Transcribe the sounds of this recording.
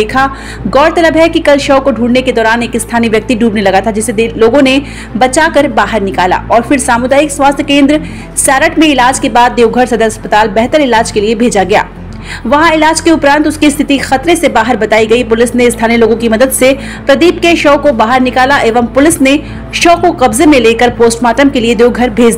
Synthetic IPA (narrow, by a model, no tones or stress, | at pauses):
eːkʰa | ɡɔːɽt̪ɐləbɦɛkikɐlʃɐʊkoɖʱuːɽneked̪ɔːɾaːneːkɪst̪ʰaːniʋjɐk̚t̪iɖuːbnelɐɡat̪ʰad͡ʒɪsed̪loːɡõne | bɐt͡ʃaːkɐɾbaːɦəɾnɪkaːla̰ɔːɾfɪɾsaːmʊd̪aːjɪkswaːst̪ʰjəkẽːnd̪ɾ | saːɾəʈʰmẽɪlaːd͡ʒkebaːd̪̚ːeːʊɡʱəɾsɐd̪əɾɐspət̪aːlbɛɦt̪əɾɪlaːd͡ʒkeliebʱeːd͡ʒaɡɐja̰ː | ʋɐɦãɪlaːd͡ʒkeʊpɾãːnt̪ʊskist̪ʰɪt̪ixɐt̪ɾesebaːɦəɾbɐt̪aːiɡɐipʊlɪsneɪst̪ʰaːnieloːɡõkimɐd̪əd̪se | pɾɐd̪iːp̚keʃɔːkobaːɦəɾnɪkaːlaʔeːʋəmpʊlɪsne | ʃoːkoqɐbzemẽleːkəɾpoːsʈmaːʈəmkelied̪eːwɡʱɐɾbʱeːd͡ʒd̪iiː